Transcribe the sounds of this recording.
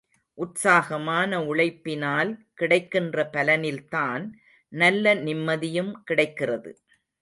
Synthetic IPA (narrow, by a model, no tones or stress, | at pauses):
ʔʊʈsaːɣɐmaːnɐʊɭɐɪpːɪnaːlkɪɽɐɪkːɪndrɐpɐlɐnɪlt̪aːn | nɐlːɐnɪmːɐðɪjɯmkɪɽɐɪkːɪrɐðɯ̰